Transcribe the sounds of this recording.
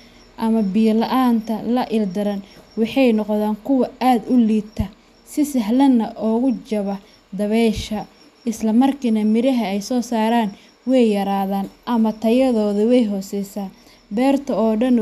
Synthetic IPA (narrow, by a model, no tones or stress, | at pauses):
ʔɐmɐbiːlɐʔaːnt̪ʰɐlɐʔɪld̪ɐɾɐnwɑħɑjnɔqðaːŋkʰʊwɐaːd̪ʊliːt̪ʰːɐ | sɪsɐɦlɐnːɐʔɔːɣʊt͡ʃɐβɐ | d̪ɐβɛʃɐ | ɪslɐmɐrkʰinɐmɪɾɐɦɐɛjsɔːsaːɾaːn | wɛjjɐɾaːðaːnʔɐmɐt̪ʰɐjɐðɔːðɐwɛjɦɔːsɛjsaː | bɛːrt̪ʰɐɔːɖɐn